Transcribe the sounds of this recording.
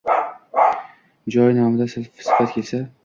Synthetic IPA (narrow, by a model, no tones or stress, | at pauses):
d͡ʒɒjnɒmɪd̪asɪlfsɪ̥fat̪̚kʲʰesa